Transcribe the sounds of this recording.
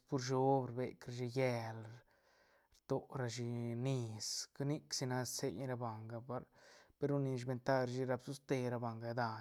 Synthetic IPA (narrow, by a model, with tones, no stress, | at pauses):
pu˧ɾʃo˦bɾbe˨kɾa˧ʃi˧je˦˧l | ɾt̪o˨˧ɾa˧ʃi˧ni˧ska˦ni˦ksi˧na˧se˧jɾa˧ba˨ŋɡa˧pa˧ɾpe˧ɾu˧ni˧ʃ̬be˧nt̪a˦˧ɾʃi˧ɾa˧bsu˦st̪e˧ɾa˧ba˨ŋɡa˧d̪a˧